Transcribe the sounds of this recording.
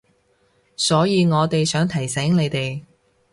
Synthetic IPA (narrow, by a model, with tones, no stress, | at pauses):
sɔː˨˥jiː˨˧ŋɔː˨˧t̪e˨jsœː˨˥ŋt̪ʰɐ˨˩jsɛː˨˥ŋne˨˧jt̪e˨j